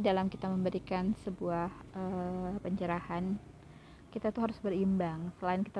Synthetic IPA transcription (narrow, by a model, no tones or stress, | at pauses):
dalamkit̪aməmbəɾikansəbuahʔəpəɲt͡ʃəɾahan | kit̪at̪uɦaɾʊsbərimbaŋsəlaɪnkit̪a